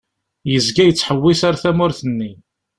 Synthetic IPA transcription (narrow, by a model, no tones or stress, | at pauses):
jəzɡæjət͡sːħəwːisaɾθæmʊɾθənːi